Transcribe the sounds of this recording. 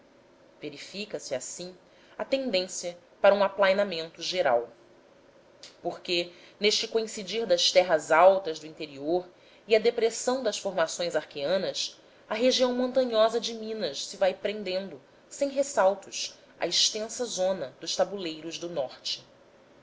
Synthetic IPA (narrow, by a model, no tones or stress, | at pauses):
veɾifikɐsiasĩ | ɐt̪ẽnd̪ẽsiɐ | paɾɐũaplajnamẽnt̪ʊʒeɾa̰w | poχke | neʃt͡ʃɪkoĩsid͡ʒiɾd̪ɐʃt̪ɛɦɐzawt̪ɐzd̪ʊĩnt̪eɾioɾ | iɐd̪epɾesɐ̃w̃d̪ɐsfoɾmasõj̃zaɾkeɐ̃nɐs | ɐɦeʒiɐ̃w̃mõnt̪ɐ̃ɲɔzɐd͡ʒɪmĩnɐʃsɪvajpɾẽnd̪ẽnd̪ʊ | sẽj̃ɦesawt̪ʊʃ | ɐ̰iʃt̪ẽsɐzõnɐd̪ʊʃt̪abulejɾʊʒd̪ʊnɔχt͡ʃɪ̥